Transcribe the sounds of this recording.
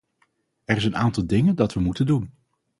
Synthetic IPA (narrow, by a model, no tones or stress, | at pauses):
ɛrɪsənaːntɑlˠdɪŋəndɑtʋəmutəndun